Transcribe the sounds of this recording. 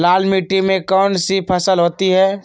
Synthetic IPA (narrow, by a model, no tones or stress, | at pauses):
lalmiʈːimẽkɔnsipʰəsəlɦoːt̪iɦɛ